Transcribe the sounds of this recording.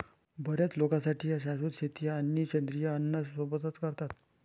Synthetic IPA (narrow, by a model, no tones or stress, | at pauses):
bəɾjat͡slokãsaʈʰiːjaɕaɕuːt̪ɕet̪ijaːnːit͡ɕənd̪ɾijaənːəsʋəbət̪ət̪kəɾt̪at̪